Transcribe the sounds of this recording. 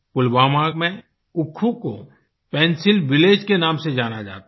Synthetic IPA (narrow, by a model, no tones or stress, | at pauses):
pʊlʋaːmamẽ | ʊkʰːũko | pɛ̃ːnsɪlʋɪleːd͡ʒkenaːmsed͡ʒaːnad͡ʒa̰ːt̪a